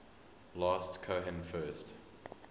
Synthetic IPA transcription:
lɑːˑstkʰoɦɛ̃mfɜːˑst

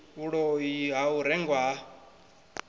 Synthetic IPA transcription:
uɺɔiɦauɾɛŋɡwa

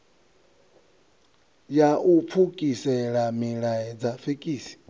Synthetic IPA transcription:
jaʔup̪fʰukʼisɛɺamiɺaɛd͡zafekʼiːsi̥

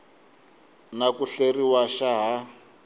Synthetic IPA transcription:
nakuɬeriwaʃaɦa

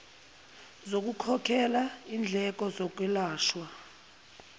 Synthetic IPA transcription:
zok̬ʼukʰɔkʰɛlaind͡ɮʱɛk̬ʼɔzɔk̬ʼwilaːʃwa

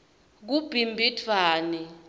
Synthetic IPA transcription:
k̬ub̥ʱimbʱitʰwaːni

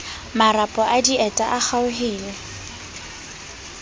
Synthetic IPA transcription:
maɾapʼɔʔadiɛtʼaʔak͡xaʊɦiːlɛ

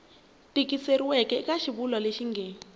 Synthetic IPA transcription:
tikiseɾiwɛkɛkaʃiβulwaleʃiŋɡeːni

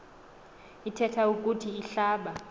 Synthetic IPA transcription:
itʰɛtʰaukʼutʰiːɬaːɓa

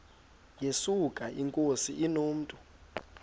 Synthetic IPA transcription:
jesukʼaʔiŋkʼosḭʔinoːm̩tʼu

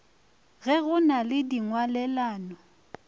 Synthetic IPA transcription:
ɣɛɣʊnalɪdiŋwalɛlaːnɔ

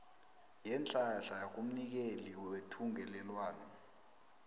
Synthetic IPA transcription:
jɛnt͡ɬʼaɬajak̬um̩nik̬eliwetʰuŋɛlɛlwaːnɔ

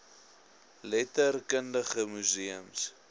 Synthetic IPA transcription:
lɛtərkəndəχəmyziəms

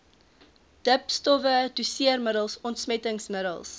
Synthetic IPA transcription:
d̥əpstɔvədusiərməɾəlˠsɔntsmɛtəŋsməɾə̰lˠs

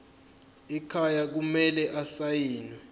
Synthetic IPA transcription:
ikʰajak̬umɛlɛʔasajiːnwɛ

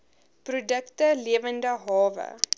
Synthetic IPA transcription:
prudəktəliəvəndəɦɑːvə̰

